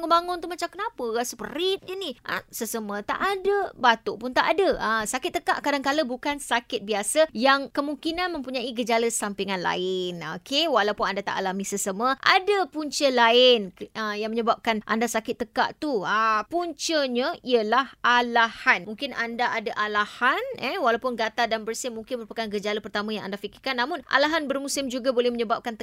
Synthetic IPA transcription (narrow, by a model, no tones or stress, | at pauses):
ŋʊnbaŋʊnt̪uhmat͡ʃamkənãpəɣasəpəɾit̪̚ɲəniʔə̰səsəmə̃t̪a̰ʔadəbat̪oʔpʊnt̪aʔadəəsakɪt̪ːəkaʔkadaŋkaləbukansakɪt̪̚biasəjaŋkəmuŋkinanmə̃mpuɲãiɡəd͡ʒaləsampiŋanla̰ɪnokewalawpʊnandat̪a̰ʔalamisəsəməʔa̰dəpuɲt͡ʃəlaɪnəjaŋməɲəbap̚kanʔa̰ndasakɪt̪ːəka̰ʔt̪uəpuɲt͡ʃəɲəiəlahalahanmuŋkɪnandaʔadaʔalahanɛwalawpʊnɡat̪adanbərsɪmuŋkɪnməɾupakanɡəd͡ʒaləpərt̪amãjãŋʔa̰ndafikɪrkanːamʊnʔa̰laɦanbərmusɪmd͡ʒuɡabolɛhməɲəbap̚kant̪ə